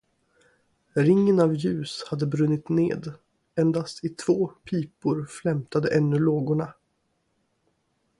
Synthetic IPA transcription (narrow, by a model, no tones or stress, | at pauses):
ɾɪŋːənavjʉ̟ːshad̪ːəbɾɵnːɪt̪nḛːd̪ | ɛnd̪ast̪ʰɪt̪ʰv̥oːpʰiːpʊɾflɛmt̪ʰad̪əʔɛnːɵloːɡʊɳa